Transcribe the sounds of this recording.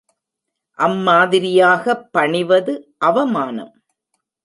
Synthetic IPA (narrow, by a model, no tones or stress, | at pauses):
ʔɐmːaːðɪɾɪjaːɣɐpːɐɳɪʋɐðɯʔɐʋɐmaːnɐ̰m